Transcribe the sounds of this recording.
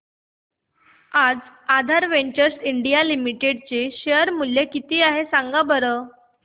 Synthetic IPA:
ad͡z | ad̪ʱaɾʋeɲt͡ɕəɾsiɳɖijalimiʈeɽt͡seɕeəɾmuljekit̪iːaɦesãŋɡabəɾə

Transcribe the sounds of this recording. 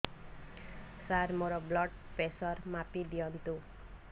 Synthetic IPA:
saɾmoɾʌblʌɖ̚pesʌɾmapid̪ijʌnt̪u

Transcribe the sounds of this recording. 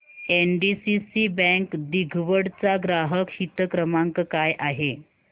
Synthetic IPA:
enɖisisibɛ̃ŋkd̪iɡʱʋəɽt͡saɡɾaɦəkhit̪əkɾəmaŋkkajʔaɦe

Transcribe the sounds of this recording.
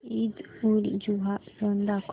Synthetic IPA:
id̪ulḭd͡ʒuɦasənd̪akʰ

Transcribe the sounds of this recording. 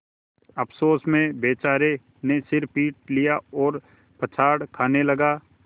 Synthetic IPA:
ɐpʰsoːsmẽbeːt͡ʃaːɾe | nesɪɾpiːʈ̚lijaɔːɾ | pɐt͡ʃʰaːɽkʰaːnelɐɡaː

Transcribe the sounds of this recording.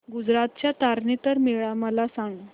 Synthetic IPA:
ɡud͡zɾat̪̚t͡ɕjat̪aɾnit̪əɾmeɭaməlasaŋɡo

